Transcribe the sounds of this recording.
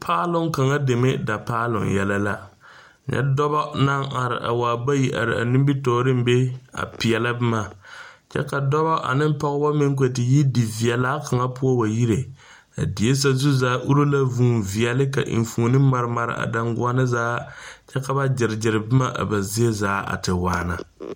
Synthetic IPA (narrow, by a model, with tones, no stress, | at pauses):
pʰaː˦lʊ˦ŋka˨ŋa˦de˨mɪ˦da˨paː˦lʊ̰˨ŋjɛ˨la˦la˦˨ | ɲɛ̰˦dɔ˦bɔ˦na˦ŋa˨ɾɪ̰˨ʔa̰˨waː˨ba˦ji˦ʔa̰˨ɾɪ˨a̰˨nɪ˦mbi˦tɔː˨ɾɨ˦m̩˦be˦a̰˨pi˨ɛ˨la˦bɨ˦ma˨t͡ʃɛ̰˦ka˨dɔ˦bɔ˦ʔa̰˨nɨ˦m˦pa˦ɣʊ˦ba˦mɪ˦ŋ˦k̬e˨tɪ˨ji˦di˨vi˨ɛ˨laː˦ka˨ŋa˦pʊ˦a˦wa˨ji˦ɾe˨ | a̰˨di˨e˦s̬a˦zu˦zaː˨˦ʔu˦ɾo˦la˦vuː˦˨vi˨ɛ˨lɪ˦ka̰˨ʔɪ̰˨n˨fuː˨˦nɨ˦ma˨ɾɨ˦ma˨ɾɪ̰˦˨ʔa̰˨da˦ŋɡʊ˦a˦nɨ˦zaː˦t͡ʃɛ˦ka˨ba˦d͡ʒɪ˨ɾɪ˨d͡ʒɪ˨ɾɨ˨bɨ˦ma˦ʔa̰˨ba˨zi˦e˦zaː˦ʔa̰˨tɨ˨waː˨˦na˨